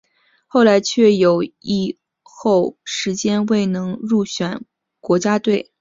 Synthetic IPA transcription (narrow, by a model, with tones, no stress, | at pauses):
xo˥˩ʊla˧˥ɪt͡ɕʰɥɛ˥˩jo˨˩ʊi˥˧ | xo˥˩ʊʂɻ̩˧˥t͡ɕjɛ˥nwe˥˩ɪnɤ˧˥ŋɻu˥˩ɕɥɛ˨˩˦n | kwɔ˧˥t͡ɕja˥t̪we˥˩ɪ